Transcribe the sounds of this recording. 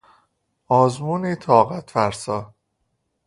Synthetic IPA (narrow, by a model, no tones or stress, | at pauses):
ɒːzmuːniːt̪ʰɒːɣæt̪fæɾsɒː